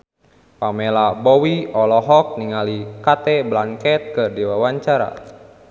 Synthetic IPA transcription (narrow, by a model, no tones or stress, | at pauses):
pamɛlabɔwiɔlɔɦɔk̚niŋalikat̪ɛblankɛt̪̚kərdiwawaɲt͡ʃaɾa̰